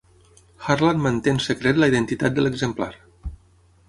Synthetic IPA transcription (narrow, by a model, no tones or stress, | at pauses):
xaɾlanmənt̪ensəkɾet̪ləiðənt̪it̪at̪̚d̪ələɡzəmpla̰ɾ